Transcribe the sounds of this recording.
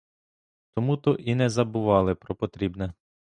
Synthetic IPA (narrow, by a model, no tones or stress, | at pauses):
t̪ɔmut̪ɔʔinɛzɐbʊʋɑlˠɪpɾɔpɔt̪ɾʲibnɛ